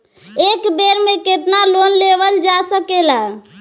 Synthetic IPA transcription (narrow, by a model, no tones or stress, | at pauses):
ekbeɾmeket̪nalonleβəld͡ʒasəkela